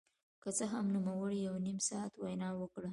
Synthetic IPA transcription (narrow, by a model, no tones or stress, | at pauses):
kət͡səɦamnumawəɽijawnimsɑat̪wajnɑwəkɽə